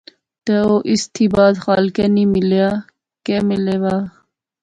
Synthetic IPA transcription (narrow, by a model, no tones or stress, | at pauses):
t̪eoːʔist̪ʰiːbaːd̪xaːlkeniːmiljaː | keːmɪleːwaː